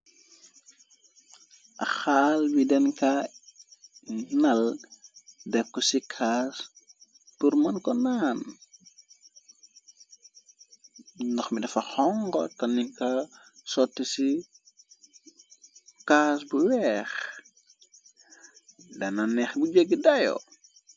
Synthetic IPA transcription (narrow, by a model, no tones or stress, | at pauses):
ʔɐ̰xaːlbidɛnka | nɐl | dɛkːɔsikʰaːs | puɾmɐnkɔnaːn | ndɔxmidɐfɐxɔŋɡɔ̰tɐnikɐsɔtːsi | kaːsbuwɛːx | dɐnɐnɛxbud͡ʒəɡːdɐjɔ̰